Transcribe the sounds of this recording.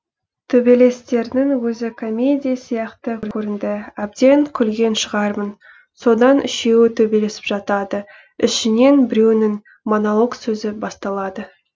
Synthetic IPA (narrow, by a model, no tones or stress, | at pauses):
t̪ʰɵbe̞le̞st̪e̞ɾnɪŋwɵzɪkʰo̞mʲe̞d̪ʲijasijɑqt̪əɾʲʰɵɾɪnd̪ɪæb̚d̪e̞ŋkʲʰʏlɡʲe̞nʃəʁɑɾmən | so̞d̪ɑnʔɪʃe̞wɪt̪ʰɵbe̞le̞sɪpʒɑt̪ɑd̪ə | ʏ̰ʃɪne̞nbɪɾe̞wnɪŋ | monolˠo̞ɡsɵzɪbɑst̪ɑlˠɑd̪ə